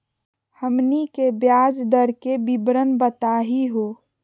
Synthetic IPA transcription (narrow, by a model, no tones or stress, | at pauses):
həmnikebjaːd͡ʒd̪əɾkebibɾənbət̪aːɦiɦoː